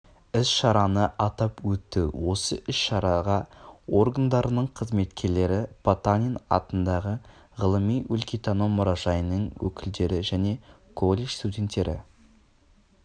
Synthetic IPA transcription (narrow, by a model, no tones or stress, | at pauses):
ɪsʃɑɾɑnəʔɑt̪ɑpwɵt̪ːɪwo̞səʔɪsʃɑɾɑʁɑo̞ɾɡand̪ɑɾənəɴqʰəzme̞t̪kʲe̞ɾle̞ɾɪpʰat̪anʲinɑ̰t̪ənd̪ɑʁə | ʁəlˠəmijwʏlkʲit̪anomːʊɾɑʒɑjnəɴwɵ̰kʲɪld̪e̞ɾɪʒæne̞ | kʰo̞lʲˠːeʃst̪udʲe̞nt̪ːe̞ɾʔɪ̰